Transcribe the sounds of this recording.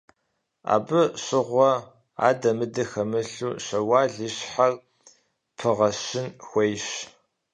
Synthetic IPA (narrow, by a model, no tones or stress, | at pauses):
a̰ːbɨɕɪʁʷɔ | a̰ːdɐmɨdɨxɐmɨɬuːɕɐwaːɮiɕħar | pʰɨʁɐɕɪnxʷejɕ